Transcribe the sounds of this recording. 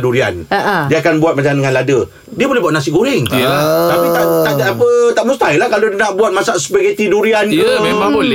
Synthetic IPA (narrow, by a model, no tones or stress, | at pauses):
duɾia̰ndiəakanbuat̪̚mat͡ʃamdəŋãnladə | diəbolɛbuat̪ʔ̚nasiʔɡuɾɪŋt̪ilat̪apit̪at̪ad͡ʒaapət̪aʔmust̪ajlahkalodənãʔbuat̪̚masaʔsə̥paɡat̪iduɾianəmemaʊ